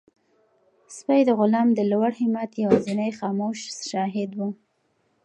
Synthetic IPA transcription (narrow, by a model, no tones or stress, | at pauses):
spajd̪əɣʊlɑmd̪əlwaɽhɪmat̪jawazinajxɑmoʃʃɑɦɪd̪wu